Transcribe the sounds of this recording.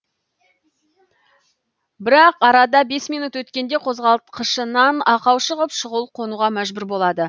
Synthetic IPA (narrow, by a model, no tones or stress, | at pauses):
bɪɾɑqɑɾɑd̪ɑbe̞smijnut̪wɵt̪kʲe̞nd̪e̞qʰo̞zʁɑlˠt̪qʰəʃənɑnɑqɑwʃəʁəpʃəʁəlˠqʰo̞nuʁɑmæʒbɪɾbo̞lˠɑd̪ə